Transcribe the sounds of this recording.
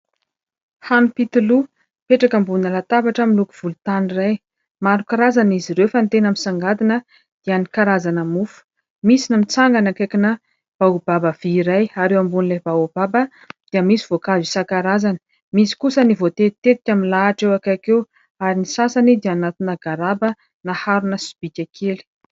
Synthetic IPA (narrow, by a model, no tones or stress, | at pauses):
hanupit̪ulu | peʈ͡ʂakambunəlat̪abaʈ͡ʂəmiluku̥v̥ulut̪aniraj | maɾukaɾazaniziɾewfant̪enamisaŋɡad̪inə | d̪̥ianikaɾazanəmufu̥ | misinəmit͡saŋɡanakakinə | b̥aub̥abəv̥iːɾajaɾewambunilebaub̥abə | d̪̥iəmisiv̥okazisakaɾazanə̥ | misi̥kusənivot̪et̪it̪et̪i̥kʲamilaʈ͡ʂewakakew | aɾinisasanid̪ianat̪unaɡaɾabə | nahaɾunəsi̥b̥ikʲakʰeli̥